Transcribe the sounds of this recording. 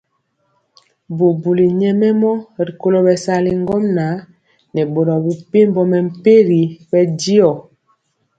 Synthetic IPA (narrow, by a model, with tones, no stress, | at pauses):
bo˨bu˨li˨ɲɛ˦mɛ˦mɔ˦ɾi˨ko˦lɔ˦bɛ˨sa˦li˨ŋ˦ɡɔ˦mna˨˦ | nɛ˨bo˨lɔ˨bu˨pe˦m˦bɔ˦mɛ˨m̩˦˨pe˦ɾi˨˦bɛ˦di˦ɔ˨